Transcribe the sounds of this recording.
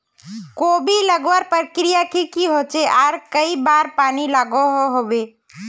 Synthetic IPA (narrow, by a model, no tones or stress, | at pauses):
kobʱiləɡʋəɾpɾəkɾijakikiɦot͡ʃeʔaːɾkəibaɾpaːnilaɡoɦoɦobe